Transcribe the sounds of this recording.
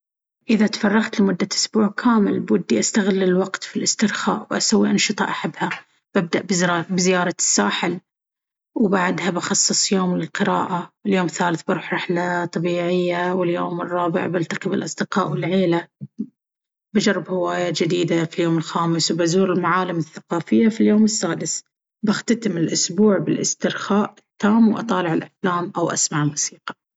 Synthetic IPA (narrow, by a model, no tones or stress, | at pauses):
ʔɪðat̪fɑrˤːɑɣt̪lɪmʊd̪ːaʔʊsbuːʕkʰaːmɪlbwad̪ːiʔast̪aɣɪlːɪlwɑqt̪filʔɪst̪ɪɾxa̰ːʔwʔasawːiʔɑnʃɨt̪ˤɑ̰ʔaħabːha | b̥ab̚d̪aʔbbɪzɪjɑːɾˤɑsːaːħɪl | wbaʕd̪habɑxɑsˤːɨsˤjoːmlɪlqɨɾa̰ːʔawɪljoːmɪθːaːlɪθbɪɾˤuːħɾˤɑħlat̪ˤːɑbiːʕɪjːawɪljoːmɪrˤːɑːbɪ̰ʕbalt̪aqɪbɪlʔɑsˤd̪ɪqɑːʔwɪlʕeːla | bad͡ʒɑrˤːɪbhɪwaːjad͡ʒɪd̪iːd̪afiljoːmɪlxaːmɪswbazuːɾɪlmaʕaːlɪmɪθːaqɑːfɪjːafiljoːmɪsːaːd̪ɪs | baxt̪at̪ɪmɪlʔʊsbuːʕbɪlʔɪ̰st̪ɪɾxaːʔɪt̪ːaːmwʔɑ̰t̪ˤɑːlɪʕɪlʔaflaːmʔawʔa̰smaʕlmʊsiːqɑ̥